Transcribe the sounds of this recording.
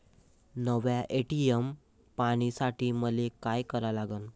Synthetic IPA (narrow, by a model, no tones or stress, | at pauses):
nəʋjaʔeʈiem | paɽ̃isaʈʰiːməlekajkəɾalaɡən